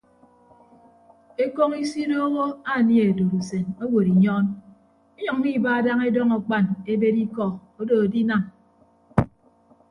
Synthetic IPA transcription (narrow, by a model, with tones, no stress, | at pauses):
e˦ko˦ŋi˦si˦no˦ɣo˦a˦˨nje˨do˨ɾu˨se˨no˦wo˨ɾi˨ɲɔ˦n | e˦ɲɔ˨ŋːi˦ba˦˨da˦ŋe˦dɔ˦ŋɔ˨k͡pa˦˨ne˦be˦ɾi˦kɔ˦o˦do˨o˨di˦na˨m